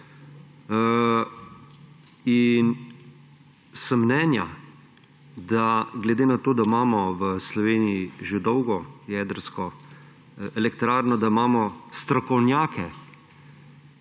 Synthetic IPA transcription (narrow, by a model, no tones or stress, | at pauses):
in | sɐmːnɛːnja̰ | d̪aɡlɛd̪eːnat̪oːd̪aimaːmɔʋəslɔʋeːnijiʒed̪ɔwɡɔjɛːd̪əɾskɔ | ɛlɛkt̪ɾaːɾnɔd̪aimaːmɔst̪ɾɔkɔwnjaːkʰɛ